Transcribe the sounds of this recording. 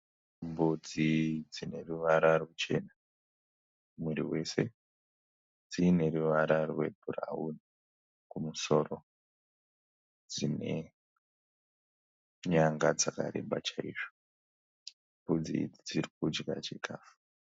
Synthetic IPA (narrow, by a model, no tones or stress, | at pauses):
mbud͡zid͡zine̞ruʋaɾarwut͡ʃe̞na | mwiɾḭwe̞se̞ | d͡ziːne̞ruʋaɾarwe̞̰bʱura̰wuni | kumuso̞ɾo | d͡zine̞ | ɲaŋɡad͡zaka̰ɾe̞̰mɓat͡ʃaiːʐo | mbud͡zḭd͡zirik̚ud͡ʒɡa̰t͡ʃe̞kʰaːfu